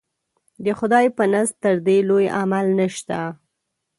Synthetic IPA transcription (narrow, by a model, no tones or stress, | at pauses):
d̪əxʊd̪ɑjpənast̪əɾd̪eloja̰malnəʃt̪a